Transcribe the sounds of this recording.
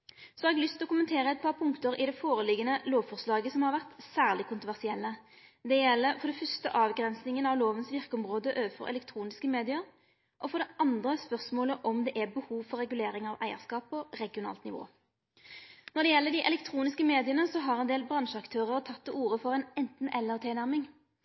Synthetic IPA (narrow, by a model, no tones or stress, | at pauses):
sɔɑɾɛɡlʏst̪ʰɪlɔkʰʊmənt̪ʰeːɾəɛt̪̚pʰɑɾʁpʰʊŋkt̪əɾʔɪd̪ɛfoːʁəlɪɡənəloːʋfɔʁslɑːɡəsɔmhɑɾʋæʁt̪sæːʁlɪkʰʊnt̪ɾʁʊʋæʁsɪɛlːə | d̪ɛjɛlːəɾfɔɾd̪ɛfœst̪ə̰ʔɑːʋɡɾɛnsnɪŋənɑʋloːʋənsʋɪʁkəɔmʁoːd̪əʔøːʋəfɔ̰ɾʔɛ̰lɛkt̪ʰɾuːnɪskəmeːd̪ɪəɾ | ʔɔfɔʁd̪ɛʔɑnd̪ʁəspœʁsmoːləʔɔmd̪ɛʔæbəhuːʋfɔɾɛɡʉleːɾɪŋɑʋʔæ̰ɪəʁskɑːpːɔʁɛɡɪʊnɑ̰ːlt̪nɪʋo̰ː | nɔɾd̪ɛjɛlːəd̪ɪʔɛ̰lɛkt̪ʰʁuːnɪskəmeːd̪ɪənəsɔɦɑʁɛnd̪eːlbʁɑnʃəɑkt̪ʰøːʁəʁt̪ʰɑt̪ʰːɛuːɾəfɔʁɛnɛnt̪n̩ʔɛlːəʁt̪ʰɪnæʁmɪŋ